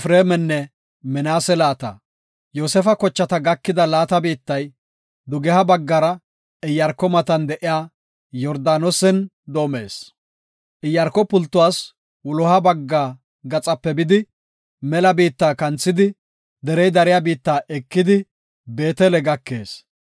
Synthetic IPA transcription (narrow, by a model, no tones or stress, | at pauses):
fɾeːmɛnːɛ | mɪnaːsɛlaːt̪ɐ̰ | joːsɛfɐkɔt͡ʃːɐt̪ɐɡɐkːɪd̪ɐlaːt̪ɐbiːt̪ːɐj | d̪ʊɡɛhɐbɐɡːɐɾɐ | ɪjːɐɾkːɔmɐt̪ɐnd̪ɛʔɪjaː | jɔɾd̪aːnɔsɛn | d̪o̞ːme̞̰ːs | ʔɪjɐɾkɔpːʊlt̪ːʊwaːs | wʊlɔhɐbɐɡːaː | ɡɐt͡sʼɐpːɛbɪd̪ɪ | mɛlɐbiːt̪ːaːkɐnt͡sːɪd̪ɪ | d̪ɛɾɛjd̪ɐɾɪjabiːt̪ːaːʔɛkːɪd̪ɪ | be̞ːt̪ɛlɛɡɐkːe̞ːs